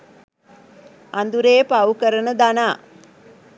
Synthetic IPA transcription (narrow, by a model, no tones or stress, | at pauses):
and̪uɾeːpaukəɾənəd̪anaː